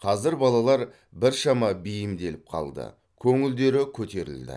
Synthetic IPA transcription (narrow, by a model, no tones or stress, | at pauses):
qʰɑzɪɾbɑlˠɑlˠɑɾ | bɪɾʃɑmɑbijɪmd̪e̞lɪp̚qʰɑ̰lˠd̪ə̰ | kʲʰɵŋɪld̪e̞ɾɪkʲʰɵt̪e̞ɾɪ̰ld̪ɪ̰